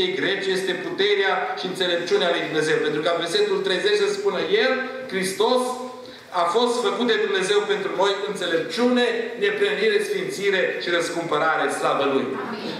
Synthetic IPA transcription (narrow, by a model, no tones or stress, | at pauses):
eɡɾe̞t͡ʃje̞st̪e̞put̪e̞ɾeaʃiɨnt̪se̞le̞p̚t͡ʃunealujd̪umne̞ze̞wpe̞nt̪ɾukənverse̞t̪ult̪ɾe̞jze̞t͡ʃsəspunəje̞l | kɾist̪o̞s | afo̞st̪fəkut̪̚d̪e̞d̪umneze̞wpe̞nt̪ɾuno̞jɨnt̪se̞le̞p̚t͡ʃune̞ne̞pɾəniɾesfint̪siɾe̞ʃiɾəskumpəɾaɾeslabəluj